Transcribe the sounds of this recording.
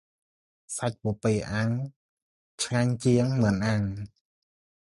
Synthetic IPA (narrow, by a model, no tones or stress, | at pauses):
sac̚puəpeːʔaŋ | t͡ɕʰŋaɲt͡ɕiəŋmɨnʔaŋ